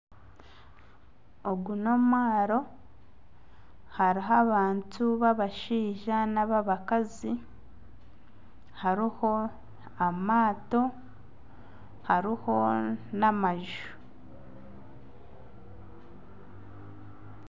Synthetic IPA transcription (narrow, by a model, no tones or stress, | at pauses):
oɡuno̞maːɾo̞ | haɾiɦaβaːntuβaβaʃiːʒanaβaβakazi | haɾiho̞ | amaːto̞ | haɾiho̞namaʒu̥